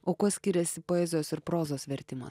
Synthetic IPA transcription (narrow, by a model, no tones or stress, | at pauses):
oːkoːsʲkʲɪɾʲɛsʲɪpoːɛzʲoːsɪɾpɾoːzoːsʋʲɛɾʲt̪ʲɪmɐ̰s